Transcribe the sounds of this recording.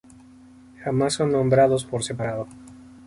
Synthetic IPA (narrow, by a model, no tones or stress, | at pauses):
xamasːonːõ̞mbɾaðos̬poɾsepaɾaðo